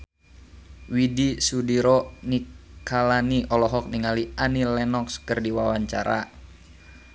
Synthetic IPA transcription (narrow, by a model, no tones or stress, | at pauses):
widisudiɾɔnikʰalaniʔɔlɔɦɔk̚niŋalianilɛnɔkskərdiwawaɲt͡ʃa̰ɾa̰